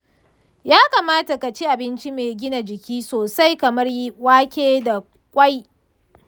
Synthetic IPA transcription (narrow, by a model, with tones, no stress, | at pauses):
jaː˦kaː˨maː˦ta˨ka˨t͡ʃi˦ʔa˨bɪ˦nt͡ʃi˦meː˨ɡʲɪ˦na˨d͡ʒɪ˨kʲiː˦soː˨sa˦jkɐ˨mɐ˦rji˦waː˦kʲeː˦da˨ | kʷʼa˦j